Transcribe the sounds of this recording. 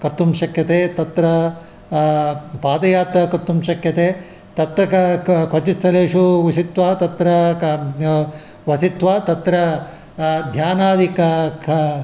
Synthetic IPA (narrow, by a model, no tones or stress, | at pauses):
kɐt̪ːumʃɐkʰjɐt̪eːt̪ɐt̪ɾɐ | paːd̪ɐjaːt̪ɐkɐt̪ːumʃɐkʰjɐt̪eː | t̪ɐt̪ɾɐkkʰʋɐt͡ʃist̪ʰːɐleːʂuʋisit̪ʋaːt̪ɐt̪ɾɐ | ʋɐsit̪ʋaːt̪ɐt̪ɾɐ | d̪ʱjaːnaːd̪ikɐkʰɐ